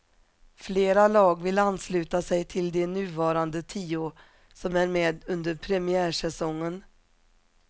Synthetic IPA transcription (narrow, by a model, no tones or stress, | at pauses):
fleːɾalɑːɡvɪlanːslʉ̟ːt̪asɛjt̪ʰɪld̪ɛnʉ̟ːvɑːɾand̪ət̪ʰiːʊ | sɔmæɾmeːd̪ɵnd̪əɾpʰɾɛmɪæːʂɛsɔŋːən